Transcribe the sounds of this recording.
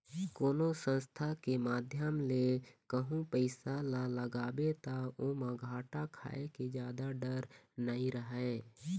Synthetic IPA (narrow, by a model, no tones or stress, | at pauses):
koːnosə̃nst̪ʰakemaːd̪ʱjəmlekəɦũpəɪsalãləɡaːbet̪aomãɡʱaːʈakʰa̰ːeked͡ʒjaːd̪aɖəɾnəɦĩɾəɦeː